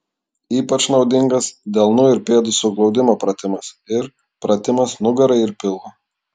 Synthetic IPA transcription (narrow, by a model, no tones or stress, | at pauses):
iːpɐt͡ʃnɒʊd̪ʲɪŋɡɐsd̪ʲeːlˠnʊɪɾpʲeːd̪ʊsʊɡlˠɒʊd̪ʲɪmoːpɾɐt̪ʲɪmɐsɪɾ | pɾɐt̪ʲɪmɐsnʊɡɐɾɐɪɪɾpʲɪlˠo